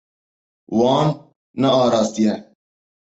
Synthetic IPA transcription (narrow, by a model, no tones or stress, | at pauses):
wɑːnː | ɐɑːɾɑːst̪ijɛ